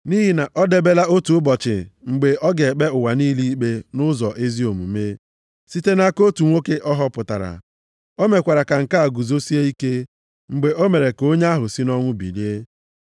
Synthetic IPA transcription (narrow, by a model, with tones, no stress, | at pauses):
ni˦ɦi˨na˨ʔɔ˦de˦be˦la˦o˦tu˨ʊ˦bɔ˨t͡ʃɪ̰˨ŋ͡m̩˨ɡ͡be˨ʔɔ˦ɡe˨k͡pe˦ʊ˨wa˨niː˦li˦i˦k͡pe˦nʊ˦zɔ˨ʔe˦zi˦o˨mṵ˨me˦ | si˦te˦na˦ko˦tu˨ŋʷo˦ke˦ʔɔ˦ɦɔ˦pʊ˨ta̰˨ɾa̰˨ | o˦me˨kʷa˨ɾa˨ka˨ŋ̩˨ka˦a˨ɡu˨zo˦si˦e˦i˦ke˦ | ŋ͡m̩˨ɡ͡be˨o˦me˨ɾe˨ko˦ɲ˦a˦ɦʊ˨si˦nɔ˦ŋʷʊ˦bḭ˨li˦e˦